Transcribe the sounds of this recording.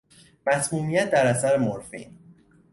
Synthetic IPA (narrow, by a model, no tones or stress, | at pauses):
mæsmuːmijæt̪̚ʰd̪æɾæsæɾemoɾfḭːn